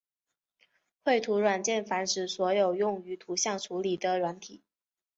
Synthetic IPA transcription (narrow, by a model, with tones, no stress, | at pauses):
xwe˥˩ɪt̪ʰu˧˥ɻwa˨˩nt͡ɕjɛ˥˩nfa˧˥nʈ͡ʂɻ̩˨˩swɔ˧˥jo˨˩ʊjʊ˥˩ŋy˧˥t̪ʰu˧˥ɕjɑ˥˩ŋʈ͡ʂʰu˧˥li˨˩d̪ə˦ɻwa˧˥nt̪ʰi˨˩˦